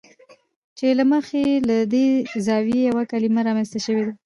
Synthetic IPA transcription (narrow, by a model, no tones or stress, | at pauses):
t͡ʃelaməxelad̪ezɑwjejawakalimaɾɑmanst̪aʃəwed̪a